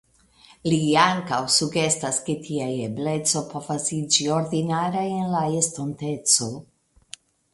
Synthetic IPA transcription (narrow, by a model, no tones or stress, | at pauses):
liaŋkawsuɡe̞stasketʰiajeble̞t͡so̞po̞vasid͡ʒio̞ɾdinaɾajenlaestonte̞t͡so̞